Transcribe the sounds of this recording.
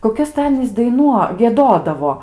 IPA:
koːˈkʲɛs tɐɪ ˈɑːnʲiːs dɐɪˈnuɔ ɡʲiɛˈdoːdɐʋoː

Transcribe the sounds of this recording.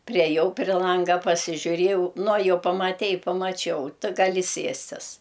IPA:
pʲrʲɛˈjɛʊ pʲrʲɪ ˈlˠɐŋɡɐ pɐsʲɪʒʲʊˈrʲiɛjɛʊ nʊ ɐ ˈjɛʊ pɐmɐˈtʲɛɪ pɐmɐˈt͡ʃʲɛʊ ˈtɨ ɡɐˈlʲɪ ˈsʲiɛsʲtʲɪs

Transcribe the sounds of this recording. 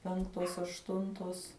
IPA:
ˈpʲɛŋktoːs ɐʃˈtʊntoːs

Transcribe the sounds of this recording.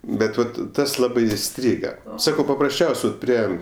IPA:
ˈbʲɛt ˈʋɐt ˈtɐs ˈlˠɑːbɐɪ ɪˈsʲtʲrʲiːɡɐ ˈsɑːkɐʊ pɐprɐsʲˈt͡ʃʲɛʊsʲ ʋɐt ˈpʲrʲiɛ

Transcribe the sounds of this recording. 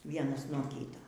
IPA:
ˈʋʲiɛnɐs nuɔ ˈkʲiːtɐ

